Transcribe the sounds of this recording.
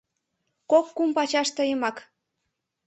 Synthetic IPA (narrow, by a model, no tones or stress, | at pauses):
kokːumpɑt͡ɕɑʃt̪əjəmɑk